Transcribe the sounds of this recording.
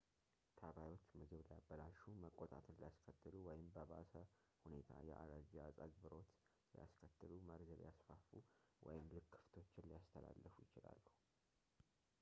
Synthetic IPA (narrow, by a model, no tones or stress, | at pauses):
t̪ʰəβajo̞t͡ʃːmɨɡɨβlijabːəlaʃuməkʼot̪ʼat̪ʰɨnlijaskʰət̪ːɨluwɔjɪmbəβa̰sə | hune̞t̪ʰa̰jɛ̰ʔa̰d̪əd͡ʒiasʼad͡ʒbɨɾo̞t̪ | lija̰skʰət̪ːɨluməɾzlḭjasfafuwɔjɪmlɨkʰːɨ̥ft̪ʰo̞t͡ʃːɪnlijast̪ʰəla̰lːəfujɪt͡ʃɪla̰lːəhu